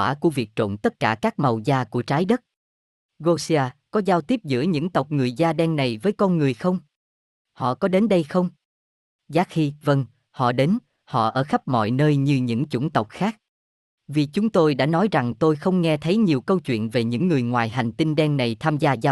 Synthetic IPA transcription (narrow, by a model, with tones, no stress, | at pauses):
aː˧˩ku˧˩əvi˨˩k̚t͡ɕo̰˧˨nt̪ə˦˥t̚kaː˧˩kaː˦˥k̚ma˨˩wzaː˧ku˧˩ət͡ɕaː˨˦jɗə˦˥t̚ | ɣo˧si˧aː˧kɔ˨˦zaː˧wt̪i˦˥əp̚zɨ̰˧˥əɲɨ̰˧˥ŋt̪ə˨˩wk͡p̚ŋɨ˨˩əjzaː˧ɗɛ˧nna˨˩jvəː˨˦jkɔ˧nŋɨ˨˩əjxə˧wŋ͡m | hɔ̰˧˨kɔ˨˦ɗe˨˦nɗə˧jxə˧wŋ͡m | zaː˦˥k̚hi˧və˧ŋ | hɔ̰˧˨ɗe˨˦n | hɔ̰˧˨ʔəː˧˩xə˦˥p̚mɔ̰˧˨jnəː˧jɲɨ˧ɲɨ̰˧˥ŋt͡ɕʊ̰˧˩nt̪ə˨˩wk͡p̚xaː˦˥k̚ | vi˨˩t͡ɕʊ˨˦ŋ͡mt̪o˧jɗa̰ː˧˥nɔ˨˦jza˨˩ŋt̪o˧jxə˧wŋ͡mŋɛ˧t̪ʰə˨˦jɲi˨˩əwkə˧wt͡ɕwḭ˧˨ənve˨˩ɲɨ̰˧˥ŋːɨ˨˩əjŋwaː˨˩jɦa˨˩jŋ̟t̪i˧nɗɛ˧nna˨˩jt̪ʰaː˧mzaː˧zaː˧